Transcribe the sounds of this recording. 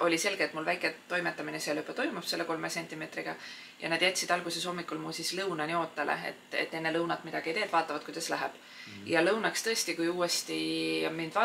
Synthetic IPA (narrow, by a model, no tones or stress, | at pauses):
ʔo̞lʲise̞lɡ̥eːt̪mulvæjkˑet̪ːo̞jmet̪ːˑɑmineselypːˑɑt̪o̞jmupse̞lːeko̞lmese̞nʲt̪ʲˑime̞ːt̪riɡ̥ɑ | jɑ̰nɑd̪̥jæt̪ʲːsid̪̥ɑlɡ̥use̞so̞mːikːˑulmusislɤwnɑnʲio̞ːt̪ːˑɑlḛḛt̪ːḛt̪ːe̞nːe̞lɤwnɑt̪ːmid̪̥ɑɡ̥iejt̪eːt̪ːvɑːt̪ːˑɑvɑd̪̥̚kujd̪ɑslæɦɛ̰b̥ | jɑlɤwnɑkst̪ɤ̞e̞st̪ikujuːe̞st̪imind̥̪vɑː